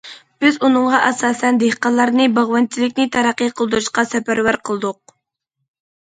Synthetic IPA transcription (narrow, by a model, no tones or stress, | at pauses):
b̥ɪzunɨŋʁɑʔɑsɑːsɛnd̪ehqɑlˠːɑɾnɨbɑʁwɑnt͡ʃʰilɪk̚ʲnɪt̪ʰɑɾɑqːijqʰəlˠd̪uɾuʃqɑsɛpæɾwæɾqʰəlˠɨd̪ʊq̚